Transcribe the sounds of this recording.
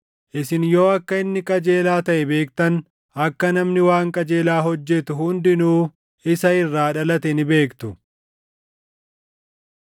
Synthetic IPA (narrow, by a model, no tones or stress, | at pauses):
ʔɪsɪnjo̞ːɐkːɐɪnːɪkʼɐd͡ʒe̞ːlaːt̪ɐʔɛbe̞ːkt̪ɐn | ɐkːɐnɐmnɪwaːŋkʼɐd͡ʒe̞ːlaːɦɔd͡ʒːɛt̪ʊhʊnd̪ɪnuː | ɪsɐɪrːaːᶑɐlɐt̪ɛnɪbe̞ːkt̪ʊ